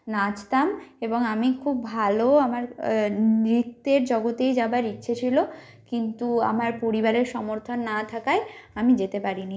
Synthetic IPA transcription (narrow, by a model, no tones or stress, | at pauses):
nat͡ɕʰt̪ameboŋamikʰubːʱaloamaɾ | ɾit̪ːeɾd͡ʑɔɡot̪ejd͡ʑabaɾitːɕʰet͡ɕʰilo | kint̪ua̰maɾpoɾibaɾeɾʃɔmoɾt̪ʰonːat̪ʰakajamid͡ʑet̪epaɾini